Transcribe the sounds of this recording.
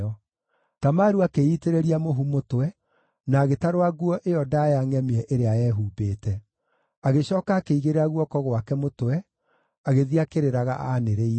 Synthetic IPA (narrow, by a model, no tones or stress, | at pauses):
ɔ | tamaɾuakeiːteɾeɾiamoɦumotwɛ | naːɣetaɾowaɣuɔʔejɔdajaŋɛmeɛʔeɾeajɛːɦuːbeːtɛ | aɣeɕɔːkaːkeiɣeɾeaɣwɔkɔɣwakɛmotwɛ | aɣeðiakeɾeɾaɣa̰ʔaneɾei